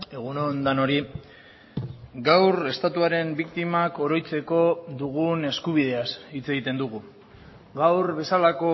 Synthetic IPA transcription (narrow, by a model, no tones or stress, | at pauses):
e̞ɣ̞unond̪ano̞ɾi | ɡawɾe̞st̪at̪uaɾe̞mbikt̪imako̞ɾo̞jt͡se̞ko̞ðuɣ̞une̞skuβið̞e̞asit͡se̞ɣit̪e̞nd̪uɣu | ɡawɾβe̞salako̞